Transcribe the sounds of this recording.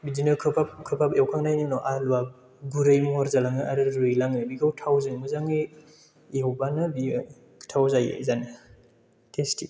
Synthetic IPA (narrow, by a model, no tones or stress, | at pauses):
bizinɯkʰɯpʰap̚kʰɯpʰapewkʰaŋnajnɯnɔʔalwa | ɡuɾɯjmuhɔɾzalaŋɯaɾɯɾujlaŋɯbiɡawtʰawzɯmɯzaŋe | eowbanɯbi | tʰawzajḛzani | tʰesti